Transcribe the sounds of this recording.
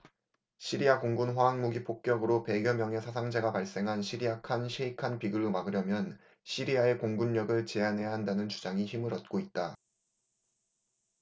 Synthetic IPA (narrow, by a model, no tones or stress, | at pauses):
ɕʰiɾiakoŋɡunɸwaːŋmuɡipʰok̚k͈jʌɡɯɾope̞ɡjʌmjʌŋe̞sʰasʰaŋd͡ʑe̞ɡapaɭs͈e̞ŋɦanɕʰiɾiakʰanɕʰeikʰanpiɡɯɭomaɡɯɾjʌmjʌn | ɕʰiɾiae̞koŋɡunɲʌɡɯɭt͡ɕe̞anɦe̞jaɦandanɯnt͡ɕud͡ʑaŋiçimɯɾʌt̚k͈oit̚t͈a